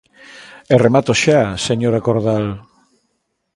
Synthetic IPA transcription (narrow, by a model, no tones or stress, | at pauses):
eremat̪oʃaseɲoɾakoɾðal